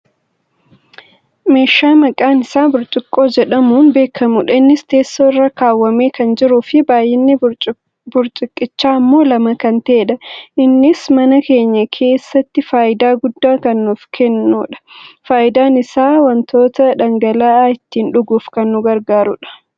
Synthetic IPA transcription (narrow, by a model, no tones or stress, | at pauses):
me̞ːʃːaːmɐkʼaːnɪsaːbʊɾt͡ʃʼɪkʼːo̞ːd͡ʒɛᶑɐmuːnbe̞ːkʰːɐmʊᶑɐɪnːɪst̪e̞ːsːoːɪrːɐkaːwːɐme̞ːkɐnd͡ʒɪɾʊfɪbaːjːɛnːɪ | bʊɾt͡ʃʼɪkʼːɪt͡ʃːaːɐmːo̞ːlɐmɐkɐnt̪eːᶑɐʔɪnːɪsmɐnɐke̞ːɲːɐkʰe̞ːsːɐt̪ːɪfaːʔɪd̪aːɡʊd̪ːaːkɐnːʊfkʰɛnːuːᶑɐ̥faːʔɪd̪aːnɪsaːwɐnt̪ʰo̞ːt̪ɐᶑɐŋɡɐlaːɪt̪ːiːnᶑʊɡuːfkɐnːʊɡɐɾɡaːɾʊᶑɐ̥